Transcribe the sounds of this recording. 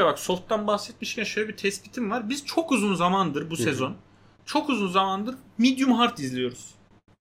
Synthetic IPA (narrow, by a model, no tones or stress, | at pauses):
abakso̞lˠt̪ːanbahsɛt̪̚miʃcʲʰænʃøjlʲɛbit̪ʰɛspi̥t̪ʰimvaɾbiz̥t͡ʃʰo̞kuzunzamand̪ɯɾbusɛzo̞n | t͡ʃʰo̞kuzunzamand̪ɯɾmid̪jumɦaɾt̪ʰizlʲijo̞ɾuz̥